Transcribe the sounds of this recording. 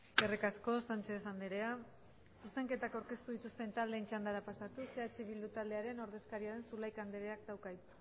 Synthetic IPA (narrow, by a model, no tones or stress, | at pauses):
erekasko̞sant͡ʃe̞θand̪eɾe̞a | suse̞ŋke̞t̪akawɾke̞st̪uðit̪ust̪e̞nt̪ald̪e̞ːnt͡ʃand̪aɾapasat̪use̞at͡ʃeβild̪ut̪ald̪e̞aɾe̞no̞ɾðe̞skaɾiaɾe̞nsulajkand̪e̞ɾe̞akd̪awkaj